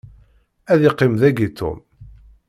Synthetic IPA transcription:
æðiqːɪmðæɡit̪o̰m

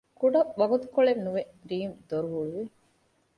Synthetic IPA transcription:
kuɖɐʔʋɐɡut̪ukoɭennuʋe | ɾiːmd̪̥oɾuɦuɭuʋi

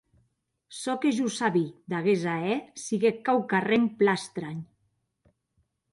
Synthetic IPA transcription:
sɔkeʒusaβid̪aɣezaɛsiɣekawkaremplast̪ɾaɲ

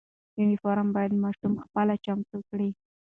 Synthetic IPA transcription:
janifɑɾambɑjad̪mɑʂumxpəlat͡ʃamt̪ukɽi

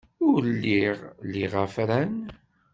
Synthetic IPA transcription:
ʊɾlːiʁliʁæfɾæn

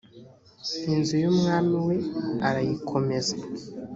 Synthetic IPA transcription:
inzujumŋaːmiwe̞aɾajikʰo̞me̞za

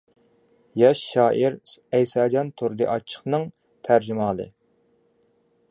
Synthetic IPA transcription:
jɛʃːɑːʔiɾɛjsɑːd͡ʒɑnt̪ʰuɾd̪ɨʔɑt͡ʃʰːə̥χnɨŋ | t̪ʰæɾd͡ʒɪmɑːlˠɨ̰

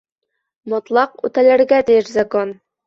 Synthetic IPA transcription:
mɒ̆t̪lˠɑqʉ̰t̪ælæɾɡæt̪ijɘʃzɑkon

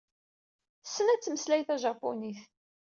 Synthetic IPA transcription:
sːənæt͡sːməslæjθæʒɑpːoniθ

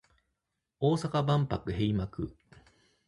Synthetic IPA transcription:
oːsakabãmpakɯ̟he̞imakɯ̟̰

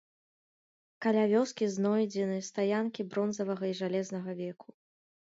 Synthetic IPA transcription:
kɐlʲavʲɔskʲiznɔjd͡zʲɛnɨst̪ajankʲibɾɔnzɐvɐɣɐiʐalʲɛznɐɣɐvʲɛkʰu̥

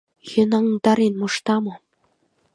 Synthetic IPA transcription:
jə̆nɑŋd̪ɑɾenmoʃt̪ɑmɤ̆

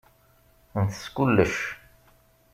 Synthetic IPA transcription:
nθə̥skʊlːəʃ

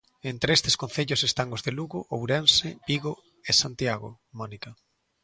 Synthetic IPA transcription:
ent̪ɾeest̪e̥skõnθeʎosest̪aŋozðeluɣʊʔowɾensebiɣo | esant̪iaɣo̰ | mɔnika

